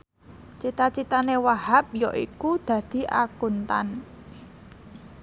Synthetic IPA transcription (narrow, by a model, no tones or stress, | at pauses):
t͡ʃit̪at͡ʃit̪anewahap̚jɔʔḭkud̪̥ä̤d̪̥i̤ʔa̰kunt̪a̰n